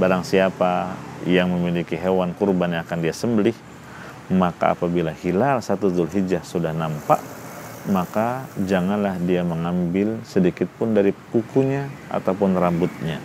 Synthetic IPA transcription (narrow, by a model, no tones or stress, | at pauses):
baɾaŋsiapajaŋməmilikiɦewankurbanjaːkandiasəmbəlɪh | maka̰a̰pabilahilalsat̪uzʊlɦid͡ʒahsudahnampa̰ʔ | makad͡ʒaŋanlahdiaməŋambɪlsədikɪt̪̚pʊndaɾikukuɲaa̰t̪awpʊnrambʊt̪̚ɲa